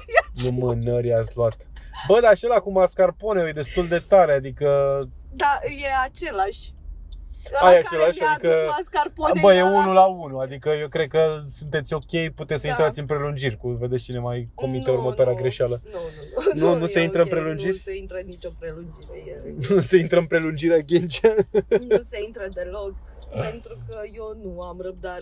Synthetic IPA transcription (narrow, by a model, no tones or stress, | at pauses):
numɨnəɾʲiat̪sʲluat̪ | bəd̪aːt͡ʃe̞lakumaskarpo̞nejojed̪e̞st̪uld̪e̞t̪aɾead̪ikə | d̪ajeat͡ʃelaʃʲ | ajat͡ʃe̞laʃʲad̪ikəaskarpobəjeunnulaunuad̪ikəje̞wkɾe̞d̪̚kəsunt̪e̞t̪sʲo̞kʲe̞jput̪e̞t̪sʲsəint̪ɾat̪ʲɨnpɾe̞lund͡ʒirʲkuve̞d̪est͡ʃine̞majkomint̪eurmət̪waɾeaɡɾe̞ʃalənonunuseint̪ɾəɨnpɾe̞lund͡ʒirʲseint̪ɾənːit͡ʃopɾelund͡ʒiɾejenusəint̪ɾəɨnpɾe̞lund͡ʒiɾeɡʲind͡ʒanseint̪ɾəd̪elo̞ɡ | pent̪ɾukəjewnuamɾəb̚d̪aɾ